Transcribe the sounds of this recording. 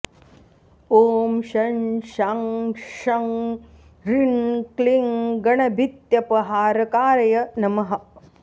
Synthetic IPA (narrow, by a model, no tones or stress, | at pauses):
oːmʃɐnʃaŋʃɐŋ | ɾinkliŋɡɐɳɐbʱit̪jɐpɐɦaːɾɐkaːɾɐjɐnɐmɐɦɐ̆